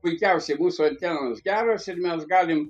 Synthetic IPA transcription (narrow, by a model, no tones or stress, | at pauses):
pʊɪkʲɛʊsʲɛɪmuːsuɐnʲt̪ʲɛnoːsɡʲæːɾoːsɪɾmʲɛsɡɑːlʲɪm